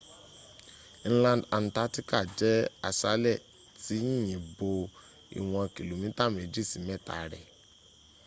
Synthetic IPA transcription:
ñ̩˦lã˧nda˨n̩˨ta˨˦ti˦ka˦˨d͡ʒɛ˦a˦˨sa˦lɛ˦˨ | ti˨˦ĩ˦˨jĩ˨bo˧ | ḭ˨w̃ɔ̃˧a˧ki˨lu˨mĩ˨˦ta˦˨m˨e˨d͡ʒi˦˨si˨˦mɛ̃˦˨ta̰˨ɾɛ̰˨

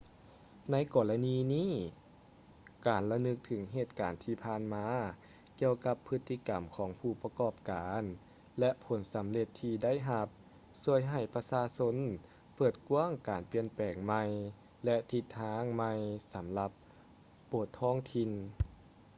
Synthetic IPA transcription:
na˧˥˨jkɔː˨˩la˧niː˧niː˥˩˨ | kaː˨˩nla˧nɯ˧˥k̚t̪ʰɯ˩˦ŋɦeː˧˩t̪̚kaː˨˩nt̪ʰiː˧˩pʰaː˧˩˨nmaː˧˥ | ki˧əwka˧pʰːɯ˧˥t̪ʰːi˧ka˨˩mkʰɔː˩˦ŋpʰuː˧˩pa˧kɔː˧˩p̚kaː˨˦n | lɛ˧ʔpʰo˨˦nsa˨˦mle˧t̪ʰːiː˧da˥˨jɦa˧p̚ | su˧˩əjɦa˧˨˩jpa˧saː˧so˧˥n | pɤː˨˩t̪̚ku˧˥˨əŋkaː˨˩npi˧ənpɛː˨˩ŋma˧j | lɛ˧t̪ʰi˧t̪ʰːaː˧˥ŋma˧jsa˨˩˦mla˧p̚ː | oː˨˩t̪ʰːɔː˧˥˩ŋt̪ʰi˧n

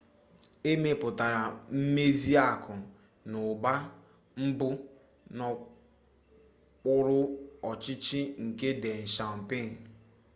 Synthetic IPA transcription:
e˦me˨pʊ˨ta˨ɾa˨m̩˦me˦zi˦a˦˨kʰʊ˨ | nʊ˨ba˦ | m̩˦bʊ˦ | nɔ˨ | k͡pʊ˦ɾʊ˦ɔ˨t͡ʃɪ˦t͡ʃɪ˦ŋ̩˨ke˦de˨n̩˨ʃa˨m̩˨pe˦˨n̩˨

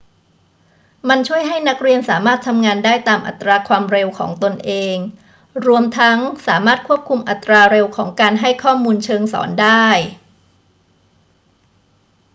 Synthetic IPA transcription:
ma˧nt͡ɕʰu˥˩əjɦa˥˩jna˦˥k̚ɾi˧ənsaː˩˦maː˥˩t̪ʰːa˧mŋaː˧ndaː˥˩jt̪aː˧mʔa̰˨˩t̪ːɾaː˧kʰwaː˧mɾe˧wkʰɔ̰ː˩˦ŋt̪o˧nʔeː˧ŋ | ɾu˧əmt̪ʰa˦˥ŋsaː˩˦maː˥˩t̪̚kʰu˥˩əp̚kʰu˧mʔa˨˩t̪ːɾaː˧ɾe˧wkʰɔː˩˦ŋkaː˧nɦa˥˩jkʰɔː˥˩muː˧nt͡ɕʰɤː˧ŋsɔ̰ː˩˦ndaː˥˩j

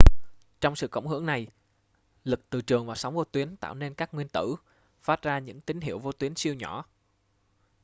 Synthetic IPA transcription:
t͡ɕɔ˧wŋ͡msɨ̰˧˨kə̰˧˩wŋ͡mɦɨ̰˧˥əŋna˨˩j | lɨ˨˩k̚t̪ɨ˨˩t͡ɕɨ˨˩əŋvaː˨˩wsa˨˦wŋ͡mvo˧t̪wi˨˦ənt̪a̰ː˧˨wne˧nkaː˦˥k̚ŋwi˧ənt̪ɨ̰˧˩ | faː˦˥t̚zaː˧ɲɨ̰˧˥ŋt̪ï˨˦ŋ̟ɦḭ˧˩əwvo˧t̪wi˨˦ənsi˧əwɲɔ˧˩˨

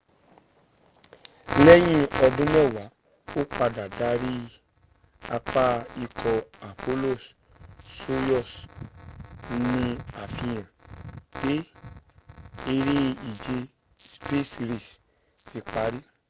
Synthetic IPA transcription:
lɛ˦j̃ĩ˦ɔ˧dũ˦mɛ̃˦˨wa˨˦ | o˦k͡pa˧da˨da˨˦ɾi˦ | a˧k͡pa˦i˧kʰɔ˧a˨pʰo˦lo˦˨s | so˦jɔ˦˨s | nĩ˧a˨fĩ˧j̃ã˨b̥e˨˦ | e˧ɾe˦i˨d͡ʒe˧ | spe˦sɾi˦˨s | si˨˧k͡pa˨˦ɾi˦

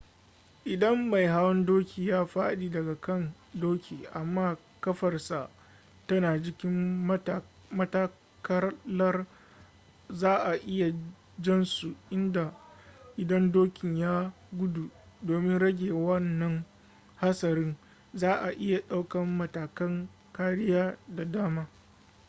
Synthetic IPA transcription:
ʔɪ˨dɐ˦mːa˨jɦa˦wɐ˦ndoː˦kʲiː˨jaː˦ɸaː˦ɗiː˨dɐ˨ɡa˨kɐ˦˨n | doː˦kʲʰiː˨ʔa˨mːaː˦ | kɐ˦ɸɐ˨rsa˨ʔ | tɐ˦naː˨d͡ʒɪ˦kʲɪ˦m˨ | mɐ˦ta˦ | kɐ˦lɐ˦r | zaː˦ʔa˨ʔɪ˦ja˨ | d͡ʒɐ˦nsu˨ʔɪ˦nda˨ʔɪ˨dɐ˦ndoː˦kʲɪ˨ɲjaː˦ | ɡʷʊ˦du˨ | doː˨mɪ˦nɽɐ˦ɡʲeː˨wɐ˦nːɐ˦ŋ | ha˦sɐ˨ɾɪ˦n | zaː˦ʔa˨ʔɪ˦ja˨ɗa˦wkɐ˦mːɐ˦taː˨kɐ˦ŋ | kaː˦ɽɪ˦jaː˦da˨daː˦maː˦

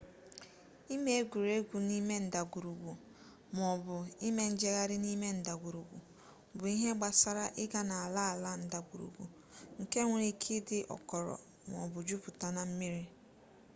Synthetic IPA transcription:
i˦me˦e˦ɡʷu˨ɾe˦ɡʷu˨ni˦me˦n̩˦˨da˨ɡʷu˨ɾu˨ɡʷu˨ | m˨ɔ˨bʊ˨i˦me˦n̩˦d͡ʒe˦ɣa˦ɾɪ˦ni˦me˦n̩˨da˨ɡʷu˨ɾu˨ɡʷṵ˨ | bʊ˨i˦ɦe˦ɡ͡ba˨sa˦ɾa˦ʔɪ˦ɡa˦na˨a˨la˦a˨la˦n̩˨da˨ɡʷu˨ɾṵ˨ɡʷṵ˨ | ŋ̩˨ke˦ŋʷ˨ɾi˦kʰi˦dɪ˦ʔɔ̰˨kɔ˨ɾɔ̰˨ | m˨ɔ̰˨bʊ˨d͡ʒu˦pʊ˨ta˨na˦m̩˦mi˦ɾi˦

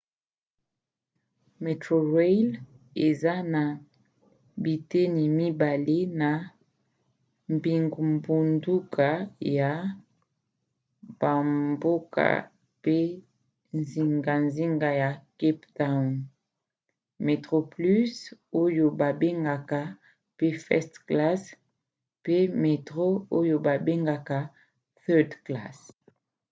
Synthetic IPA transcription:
me˨tʁo˨ʁe˦l | e˨za˦na˨ | bi˨te˦ni˨mi˦ba˨le˦na˨ | mbi˨ŋɡu˨mbu˨ndu˦kʰa˨ja˨ | b̥a˨mbo˦ka̰˨ | pe˦ | nzi˨ŋɡa˨nzi˦ŋɡa˨ja˨ki˦pta˦˨n | me˨tʁo˨ply˦so˦jo˨ba˨be˦ŋɡa˨ka˨ | pe˦fɛ̰˦stkla˦s | pe˦me˨tʁo˦o˦jo˨ba˨be˦ŋɡa˨ka˨ | θɛ˦dkla̰˦˨s

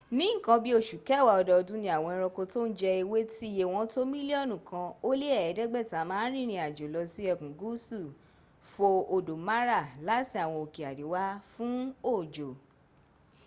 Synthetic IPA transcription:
nĩ˦˨kã˧bi˦o˦˨ʃu˨kɛ˦˨wa˨ɔ˧dɔ˧ɔ˧dũ˦nĩ˧˦a˨w̃ɔ̃˧ɔ̃˧ɾ̃ɔ˧ko˧to˦n̩˦d͡ʒɛ˧i˧we˦ti˦˨je˧˨w̃ɔ̃˧to˦mĩ˦li˦ɔ˦˨nũ˨kã˧o˦le˦ɛ˦˨ɛ˨˦dɛ˦ɡ͡bɛ˦˨ta˨˦mãː˦n̩˦ɾ̃ĩ˦˨ɾ̃ĩ˧a˨d͡ʒo˨lɔ˧si˦ɛ˧˨kũ˨ɡu˦su˦˨ | fo˧o˨do˨ma˦ɾa˦˨la˦ti˦a˦˨w̃ɔ̃˧o˨ki˨a˨di˨˦wa˦fũ˦o˦˨d͡ʒo˨

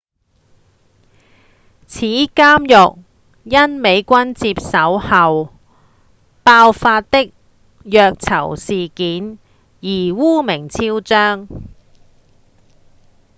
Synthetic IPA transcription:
t͡sʰiː˨˥kaː˥mjʊ˨k̚ | jɐ˥nme˨˧jkʷɐ˥nt͡siː˧p̚sɐ˨˥whɐ˨w | paː˧wfaː˧t̚t̪ɪ˥k̚ | jœː˧k̚t͡sʰɐ̰˨˩wsiː˨kiː˨˥n | jiː˨˩wuː˥mɪ˨˩ŋt͡sʰiː˥wt͡ʃœː˥ŋ

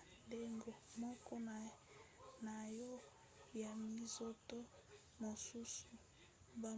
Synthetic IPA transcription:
nde˦ŋɡo˨mɔ˦kɔ˦n˨ | na˨jɔ˦ | ja˨mi˨zo˦to˦ | mo˨su˦su˨ | ba˨

